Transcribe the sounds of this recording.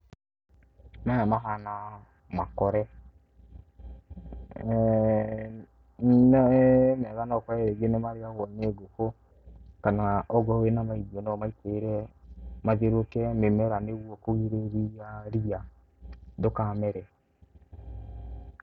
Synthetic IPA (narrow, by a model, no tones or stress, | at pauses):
majamaɦana | makɔɾɛ | nmɛɣanɔkɔɛɾeɡenɛmaɾiawɔneɡoko | kanaɔɡɔwenamaidiɔnɔmaiteɾɛmaðeɾokɛmemɛɾanewuɔkoɣiɾeɾijaɾija | dokamɛɾɛ